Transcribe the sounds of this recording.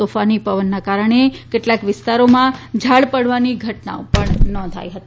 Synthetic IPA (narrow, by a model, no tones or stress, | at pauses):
ofanipəʋənːakaɾəɳekeʈlakʋɪst̪aɾomãd͡ʒʱaɭpəɽ̤ʋaniɡʱəʈna̰õpəɳnɔ̃nd̪ʱa̰jɦət̪i̥